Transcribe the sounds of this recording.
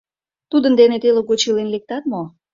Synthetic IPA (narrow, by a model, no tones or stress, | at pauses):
t̪ud̪ənd̪enet̪eloɡot͡ɕilenlek̚t̪ɑt̪mo